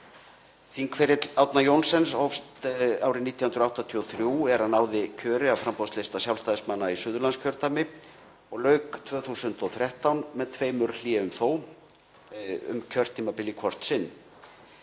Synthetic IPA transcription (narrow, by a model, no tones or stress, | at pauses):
θiŋkfɛɾjɪt̪awt̪najownsɛnsɔfst̪aːwɾɪniːt̪jahʏnɾaht̪at̪ʰiɔθɾjuɛɾanaːwðɪcʰœːɾɪawfɾampɔslest̪asjawlst̪aːðɪsmanːaisʏːðʏɾlanscʰœɾ̥t̪amɪ | ɔɣlœːɥkt̪ʰvœːθusʏnt̪ɔθɾjɛht̪awnmɛðt̪ʰveːjmʏɾliɛʏmθoːw | ʏ̰mcʰœr̥t̪ʰːiːmapɪlːikʰvɔr̥t̪sɪnː